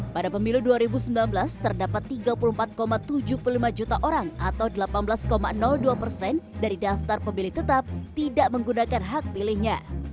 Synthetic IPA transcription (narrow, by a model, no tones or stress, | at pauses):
padapəmiluduaɾibusəmbilanbəlast̪ərdapat̪ːiɡapulumpat̪̚komat̪ːud͡ʒuhpululimad͡ʒut̪aʔoɾaŋat̪awdəlapanbəlaskomanɔlduapərsɛndaɾidaft̪arpəmilɪht̪ət̪ap̚t̪idaʔməŋɡunakanɦak̚pilɪhɲa